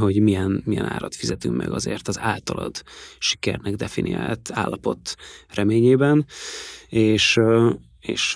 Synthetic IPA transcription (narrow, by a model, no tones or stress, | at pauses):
ɦo̞ɟmijɛnmijɛna̰ːɾɒt̪fizɛt̪ymkmʔɛ̰ɡɒzeːrt̪ɒzaːlt̪ɒlɒd̪ʃi̥kɛrnɛɡd̪ɛfiniaːlt̪aːlːɒpo̞t̪rɛmeːɲeːbɛn | eːʃ | eːʃ